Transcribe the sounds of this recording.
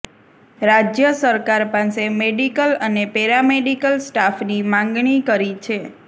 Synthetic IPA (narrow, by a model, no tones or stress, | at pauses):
ɾad͡ʒjəsəɾkaɾpãsemeɖikələnepeɾameɖikəlsʈafnimãŋɡɳ̃ikəɾit͡ʃʰe